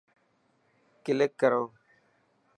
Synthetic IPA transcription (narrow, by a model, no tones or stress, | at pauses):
kɪləkːəɾoː